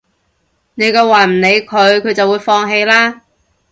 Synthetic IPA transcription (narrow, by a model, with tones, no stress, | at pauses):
ne˨˧jkɐː˧waː˨˩m̩˨˩ne˨˧jkʰɵ˨˧ɥkʰɵ˧ɥt͡sɐ˨wuː˨˧˥jfɔː˧ŋɦe˧jlaː˥